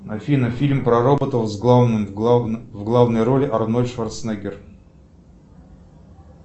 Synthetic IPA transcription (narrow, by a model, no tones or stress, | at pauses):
nɐfʲinɐfʲilʲmpɾɐrobət̪əlˠzɡlˠavnɨmvɡlˠavnəjɾolʲɪʔɐrnolʲʂvɐrt̪snaɡʲɪr